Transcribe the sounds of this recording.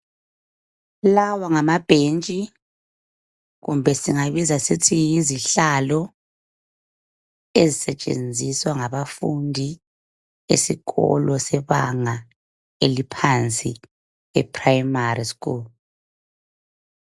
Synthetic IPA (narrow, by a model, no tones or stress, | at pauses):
lawaŋamab̥ʱent͡ʃʼi | ɣṵmbʱɛsiŋaβizasitʰijiziɬalɔ | ezisɛt͡ʃʼḛnd͡zʱiswaŋaβafundʱi | ḛsiɣɔ̰lɔsɛβaŋa | elipʰant͡sʼi | ɛpʰʼrajmariskʼṵːlu